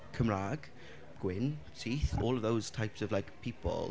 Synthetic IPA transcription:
kʰəmɹaɡ̥ | ɡ̥wɪntʰiːθɔːlˠəvðoʊz̥tʰajpsəvlajkpʰiˑpʰə̰lˠ

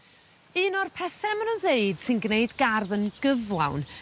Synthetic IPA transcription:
ɨːnɔrpʰɛθɛmənənðeɨd̥sɨnɡneɨdɡarðənɡ̥əvlˠa̰wn

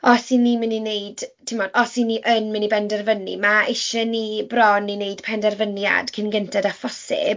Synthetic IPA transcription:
ɔsinːiːmɪninejd̥tʰɪmɔːdɔsinːiːʔənmɪnibɛndɛrvənḭmaɪʃɛnibrɔnːinejd̥pʰɛndɛrvənja̰d̥kʰɪnɡəntʰɛdafɔsɪ̰b

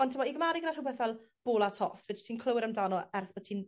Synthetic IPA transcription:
ɔntʰəmɔiɡmaːɾɪɡədarʊbɛθvɛlˠ | b̥oːlˠatʰɔ̰θvɛːdtʰiːnkʰlˠəwɪɾəmdanɔɛrθb̥ɔtʰiːn

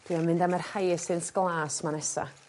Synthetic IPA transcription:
d̥wiamɪndamɛrhajsɪnsɡ̥lˠaːsmanɛsa̰

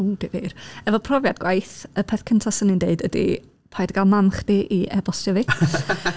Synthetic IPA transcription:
uːd̥eviːrɛvɔpʰrɔvjadɡwajθəpʰɛθkʰəntʰasənindeɨdədḭ | pʰajdɡalˠmamχd̥iʔiʔɛbɔstɛvɪ

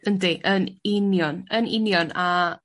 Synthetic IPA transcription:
əndiʔənɪnjɔnənɪ̰njɔna

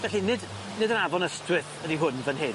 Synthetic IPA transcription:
vɛɬinɪd | nɪdənavɔnəstwɪθədiɦʊnvənɦeː

